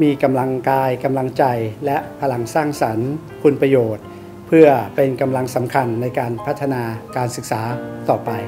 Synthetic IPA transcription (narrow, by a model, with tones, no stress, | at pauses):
miː˧ka˧mla˧ŋkaː˧jka˧mla˧ŋt͡ɕa˧jlɛ˦˥ʔpʰa˧la˧ŋsaː˥˩ŋsa˩˦n | pʰu˧npɾa˧joː˨˩t̪̚ | pʰɯ˥˩ɐpe˧nka˧mla˧ŋsa˩˦mkʰa˧nːa˧jkaː˧npʰa˦˥t̪ʰːa˧naː˧kaː˧nsɯ˨˩k̚saː˩˦t̪ɔː˨˩pa˧j